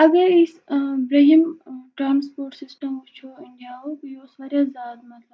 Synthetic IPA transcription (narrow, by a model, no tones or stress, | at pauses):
ɐɡɐisbɾeɦimʈɾaːnspoːɾʈsɪsʈɐmot͡ʃʰonaːokjoːsʋaɾjazaːd̪mɐt̪lɐb